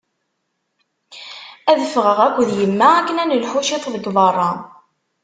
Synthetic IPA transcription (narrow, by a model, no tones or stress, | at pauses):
æðəfʁəʁækʷːðjəmːæækːənænəlħuʃɪt̪ˤðəɡðɑrˤːɑ